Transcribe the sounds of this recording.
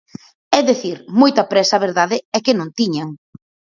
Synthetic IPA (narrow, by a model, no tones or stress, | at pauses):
ɛðeθiɾmojt̪ɐpɾɛsɐβeɾðaðɪɛkɪnõnt̪iɲaŋ